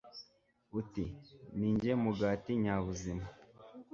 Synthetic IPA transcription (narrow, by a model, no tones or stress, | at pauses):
utiniːɲd͡ʒemuɡaːtiɲaːβuzima